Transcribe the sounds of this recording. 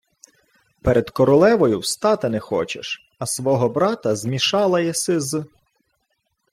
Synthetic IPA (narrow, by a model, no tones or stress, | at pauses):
pɛɾʔed̪kɔɾɔlˠɛʋɔjʊwst̪ɑt̪ɪnɛxɔ̰t͡ʃḛʃ | ɐsʋɔɦɔbɾɑt̪ɐzmʲiʃɑlˠɐjɛsɪz